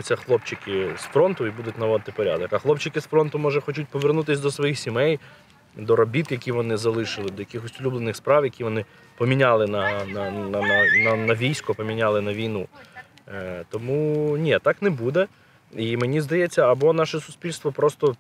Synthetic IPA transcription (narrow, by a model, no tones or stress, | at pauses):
ʊt͡sʲːɐxlˠɔpt͡ʃɪkɪsfɾɔnt̪ʊibud̪ʊtʲnɐʋɔd̪ɪt̪ɪpɔɾʲa̰d̪ɔkɐxlˠɔpt͡ʃɪkɪsfɾɔnt̪ʊmɔʒɛxɔt͡ʃut̚ʲpɔʋernut̪ɪsʲd̪ɔsʋɔjixsʲimɛj | d̪ɔɾɔbʲit̪jɐkʲiʋɔnɪzɐlˠɪʃɪlˠɪd̪ɔjɐkʲɪxɔsʲʊlʲublˠenɪxspɾɑʋjɐkʲiʋɔnɪ | pɔmʲinʲalˠɪnɐnɐnɐnɐnɐnɐʋʲijsʲkɔpɔmʲinʲalˠɪnɐʋʲijnu | t̪ɔmunʲit̪ɑknɛbud̪ɛ | imenʲizd̪ɐjɛt͡sʲːɐɐbɔnɑʃɛsʊsʲpʲilʲst̪ʋɔpɾɔst̪ɔ